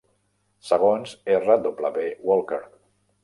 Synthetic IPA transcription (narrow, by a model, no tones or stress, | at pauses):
səɣ̞onzerad̪opləβewolˠkeɾ